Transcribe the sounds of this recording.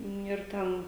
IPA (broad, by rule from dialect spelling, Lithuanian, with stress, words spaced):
ˈnʲʊ ɪr ˈtʲɛn